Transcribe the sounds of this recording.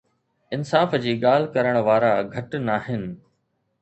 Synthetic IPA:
ɪnsaːfd͡ʑiːɠaːl̤ɪkɐɾəɽ̃ʋaːɾaɡʱɐʈnaːɦɪnɪ̆

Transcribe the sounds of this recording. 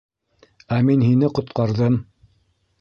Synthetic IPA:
æminhinɘqŏt̪̚qɑɾðɤm

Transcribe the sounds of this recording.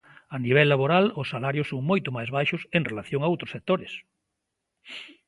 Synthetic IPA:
aniβ̞ɛlːaβoɾalʊsːalaɾjʊsːoŋmojt̪ʊmajzβajʃʊseŋrelaθjoŋaowt̪ɾʊsek̚t̪oɾɪs

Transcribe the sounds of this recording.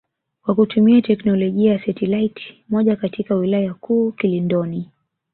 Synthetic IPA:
wakutumiatɛknɔlɔʄiajasatɛlaitmɔʄakatikawilajakuːkilindɔni

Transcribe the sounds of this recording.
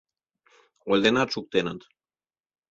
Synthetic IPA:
olʲd̪enat̪ʃuk̚t̪enət̪

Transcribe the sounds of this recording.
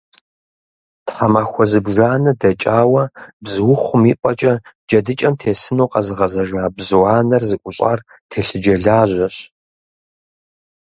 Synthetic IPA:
tχɐmaːxʷɔzɨbʒaːnɨdɐt͡ʃʼaːwɐbzɨwʊχʷʊmiːpʷʼɐt͡ʃʼɐ | d͡ʒɐdɨt͡ʃʼɐmtʰeːsɨnoːqɐzɨʁɐzɐʒaːbzɨwaːnɐrzɨkʷʼʊɕʼa̰ːr | tʰeːɬɨd͡ʒɐɮaːʑʷɐɕ

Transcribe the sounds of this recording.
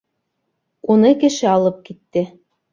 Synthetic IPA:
unɤkɘ̆ʃɘ̆ɑlˠɤp̚kit̪ːɘ̆

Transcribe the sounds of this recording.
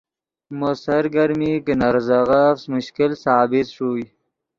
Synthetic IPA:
mosɐɾɡɐɾmiːkinɐɾzaɣafsmʊɕkilsaːbit̪ʂuːj

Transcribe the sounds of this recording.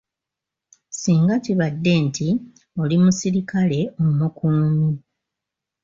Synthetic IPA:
siːŋɡaciβadːe̞ntʰi | o̞limusiɾikale̞ommukuːmi

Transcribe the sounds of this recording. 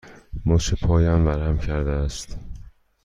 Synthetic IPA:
mɒːʃepʰɒːjæmvæɾæmcʰæɾd̪eæst̪

